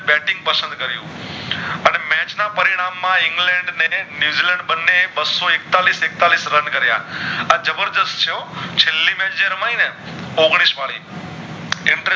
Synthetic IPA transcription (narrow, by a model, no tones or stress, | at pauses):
bɛːʈɪ̃ŋɡ̚pɐsə̃nd̪̚kɐɾijṵ̃ | ɐnemɛ̃ːt͡ɕnapɐɾɪɽ̃aːmːãɪ̃ŋɡlɛ̃ːɳɖnenjuːziːlɛ̃ːɳɖɓɐnːeɓɐsɔɪk̚t̪aːlisek̚t̪aːliːsɾɐnkɐɾija̰ənd͡ʒɐbəɾd̪əstt͡ɕʰijõt͡ɕʰɪlːimẽːd͡ʒəɾmãːĩnə | oːɣɽ̃isʋaːɭiː | ɪ̃ɳʈɾe